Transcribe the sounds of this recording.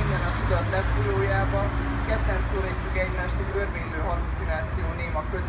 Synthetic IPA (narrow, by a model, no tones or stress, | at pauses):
ind̪ɛnɒt̪ud̪ɒt̪lɛfoloːjaːbɒ | kɛt̪ːɛnsoɾiːcːykɛɟmaːʃt̪ɛɟørveːɲløːɦɒlut̪sinaːt̪sijoːneːmɒkøz